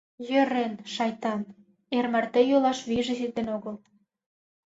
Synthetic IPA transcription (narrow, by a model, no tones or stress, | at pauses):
jø̆ɾenʃɑjt̪ɑn | ermært̪ejolɑʃβiʒĕsit̪enoɣəl